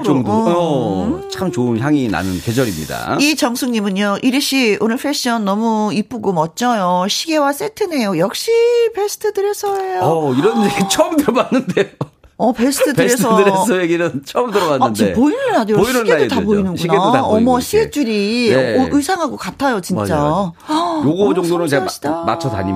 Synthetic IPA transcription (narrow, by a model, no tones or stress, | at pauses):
o | t͡ɕʰamt͡ɕoɯnçjaŋina̰nɯ̰nke̞d͡ʑʌɾimɲḭda̰it͡ɕʌŋsʰuŋɲimɯɲjoʔiɾɯɕ͈ʰionɯɸʰeɕ͈iʌnːʌmuip͈uɡomʌt̚t͡ɕ͈ʌjoɕʰiɡe̞was͈etʰɯne̞jojʌk̚ɕ͈ipe̞sʰɯ̥tʰɯdɯɾe̞sʰʌe̞joiɾʌnd͡ʑeɡit͡ɕʰʌmtɯɾʌbanːɯnde | ʌpe̞sʰɯ̥t̪ʰɯdɯɾesʰʌdɯɾesʰʌjeɡinɯnt͡ɕʰʌmɯɾʌanːɯndiepoinɯnɦadeoiɕniɡedodtapoinɯnɕunɡeoaʌmwʌɕʰiɡe̞t͡ɕ͈uɾiʔɯisʰaŋɦaɡokatʰajot͡ɕind͡ʑt͡ɕ͈a | joɡod͡ʑʌŋdonɯnt͡ɕeɡɕ͈i̥dama̰t͡ɕʰʌda̰ɲḭ